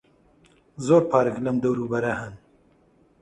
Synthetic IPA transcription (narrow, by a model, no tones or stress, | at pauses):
zoːɾpʰaːɾɨklɐmd̪ɐwɾuːbɐɾɐhɐn